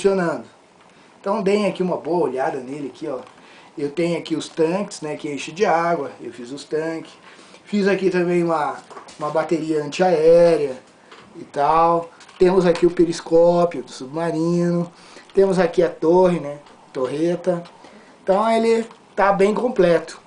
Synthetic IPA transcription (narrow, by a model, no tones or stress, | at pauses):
fũsionɐ̃d̪ʊ | ẽt̪ɐ̃w̃d̪ẽjʊakiũmɐboɐoʎad̪ɐnelɪakʰiɔ | ewt̪ẽjʊakiʊst̪ɐ̃kɪ̥znɛkɪeʃɪd͡ʒɪaɡwɐḛwfizʊst̪ɐ̃kɪ̥fizakit̪ɐ̃mbẽj̃ũmɐũmɐbat̪eɾiɐɐ̃nt͡ʃɪaɛɾiɐ | it̪awt̪ẽmʊzakiʊpeɾiskɔpjʊd̪ʊsubmaɾĩnʊ | t̪ẽmʊzakiɐt̪oɦɪnɛ | t̪oɦet̪ɐ̃ | t̪ɐ̃w̃elɪt̪abẽj̃kõmplɛt̪ʊ̥